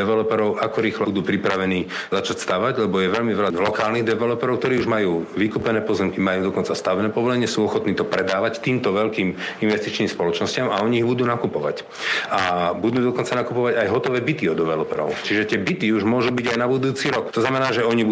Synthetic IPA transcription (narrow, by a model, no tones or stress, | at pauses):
ɛʋɛlɔpɛɾɔʊʔakɔɾiːxlɔud̪uːpɾipɾaʋɛniː | zat͡ʃacst̪aʋaɟlɛbɔjɛʋɛʎmiʋɛʎalɔkaːlniɣd̪ɛʋɛlɔpɛɾɔʊk̚t̪ɔɾiːuʒmajuːʋikuːpɛnɛːpɔzɛmkimajuːd̪ɔkɔnt͡sast̪aʋɛnɛːpɔʋɔlɛɲɪɛsuːɔxɔt̪niːt̪ɔpɾɛd̪aːʋact̪iːmt̪ɔʋɛʎkiːminʋɛst̪it͡ʃniːmspɔlɔt͡ʃnɔscɪamaɔɲiːɣbud̪uːnakupɔʋa̰c | abud̪uːd̪ɔkɔnt͡sanakupɔʋaɟajɦɔt̪ɔʋɛːbit̪iɔd̪ɛʋɛlɔpɛɾɔ̰ʊt͡ʃiʒɛt̪ɪɛbit̪iuʒmʊɔʒuːbiɟajnabud̪uːt͡siɾɔkt̪ɔznamɛnaːʒɛɔɲibu